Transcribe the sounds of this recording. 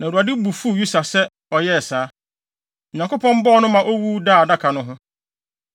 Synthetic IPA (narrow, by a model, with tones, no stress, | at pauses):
nã˨ɾa˨dɪ˦bu˨fu˦˨ju˦sa˨sɛ˦ | ɔ˨jɛ˦ɛ˨saː˨˦ | ɲã˨ŋko˦pʰɔ̃˦m̩˦bɔ˦nʊ̃˦mã˨ʔo˦wu˦daː˦˨da˦kʰa˨nʊ̃˦ɦʊ̃˦